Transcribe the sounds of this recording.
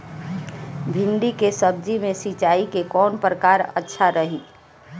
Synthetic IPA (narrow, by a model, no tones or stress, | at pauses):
bʱɪ̃ɳɖikesəb̚d͡ʒimẽsit͡ʃaːikekɔːnpɾəkaːɾə̰tːʃʰaɾəɦiː